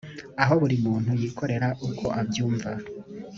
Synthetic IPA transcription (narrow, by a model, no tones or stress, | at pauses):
aɦo̞βuɾimuːn̥hujiːkʰo̞ɾe̞ɾaʔukʰo̞ʔabjuːɱva